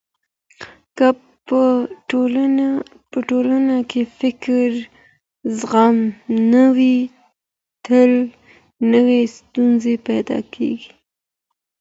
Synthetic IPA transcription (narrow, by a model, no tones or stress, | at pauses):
ka | pəʈolanakʰefɪkɾ | zɣamnawi | t̪ʰəl | nəwest̪unzepajd̪ɑ̰kʰḛɡi̥